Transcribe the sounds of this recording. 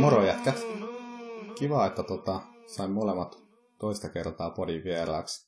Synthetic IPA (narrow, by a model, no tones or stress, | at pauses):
moɾojæt̪kæt̪ | kiʋɑːet̪ːæt̪ot̪ɑsɑimmolemːɑt̪ | t̪oist̪ɑkert̪ɑːpodiʋʋieɾɑ̰ːks